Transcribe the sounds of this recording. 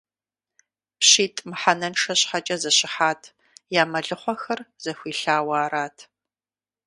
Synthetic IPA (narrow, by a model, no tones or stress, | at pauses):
pɕiːtʼmħanɐnʂɐɕħat͡ʃʼɐzɐɕɪħaːtʰ | jaːmɐɮɨχʷɔxɐrz̥ɐxʷiːɬaːwaːɾaːtʰ